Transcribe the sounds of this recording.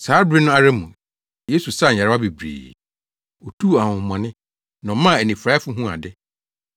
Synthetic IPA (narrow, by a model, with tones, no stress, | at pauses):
saː˨˦bɾɪ˦nʊ̃˦a˦˨ɾɛ˦mṵ̃˨ | je˦su˨sa˦˨ɲ̩˨a˨˦a˦bi˨bɾḭː˨ | o˨tʰu˦˨a˨hʊ̃˨mã˨nɪ̃˦ | nɔ̃˨˦mã˦˨e˨nĩ˨fɾa˦fʊ˦ɦũ˦a̰˨dɪ˦